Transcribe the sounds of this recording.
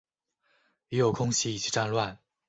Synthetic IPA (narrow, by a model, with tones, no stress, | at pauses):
jɛ˧˥jo˨˩ʊkʰʊ˥ŋɕi˥i˨˩t͡ɕʰi̥˥˧ʈ͡ʂa˥˧nlwa˥˩n